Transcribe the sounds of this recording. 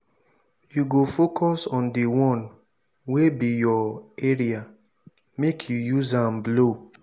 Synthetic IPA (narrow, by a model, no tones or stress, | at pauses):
juɡofokʰɔsɔ̃ndiwɔ̃n | webijɔeɹia | mekʰjujuzãmblo